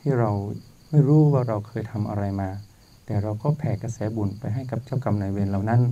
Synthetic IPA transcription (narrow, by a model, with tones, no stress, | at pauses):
t̪ʰiː˥˩ɾa˧w | ma˥˩jɾuː˦˥˩waː˥˩ɾa˧wkʰɤː˧jt̪ʰa˧mʔa˧ɾa˧jmaː˧ | t̪ɛː˨˩ɾa˧wkɔː˥˩pʰɛː˨˩ka˧sɛː˩˦bu˨˩npa˧jɦa˥˩jka˨˧˦p̚t͡ɕaː˥˩wka˧mnaː˨˧˦weː˧nla˨˩wna˦˥n